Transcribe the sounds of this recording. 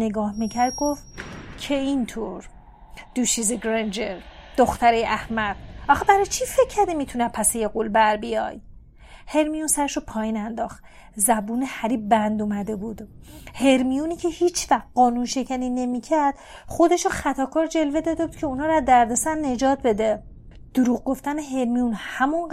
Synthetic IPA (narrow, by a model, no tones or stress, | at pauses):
neɡɒːhmicʰæɾd̪̚ɡoft̪cʲʰeint̪ʰoɾ | d̪̥uʃiːzeɡɾend͡ʒeɾd̪̥oxt̪æɾejʔæhmæbʔɒxɑbæɾɒjt͡ʃʰifecʰːæɾd̪imiːt̪ʰunæpʰæsejeɡulbæɾbijɒ̰ːj | he̞ɾmijunsæɾeʃopʰɒːjiːnænd̪ɒːχt̪ | zæbuːnehæɾiːbbænd̪umæd̪e̞buːd̪̥he̞ɾmijuniːcʰe̞hiːt͡ʃʰvæxɢɒːnunʃe̞cʰæniːne̞miːcʰæɾd̪̥ | χo̞d̪e̞ʃoxæt̪ʰɒːkʰɒːɾd͡ʒe̞lved̪ɒːd̪ebuːd̪̥̚cʰe̞unhɒːɾæd̪æɾd̪esænːe̞d͡ʒɒːt̪̚be̞d̪e | d̪̥uɾuːɣɡo̞ft̪æneɦe̞ɾmijunhæmun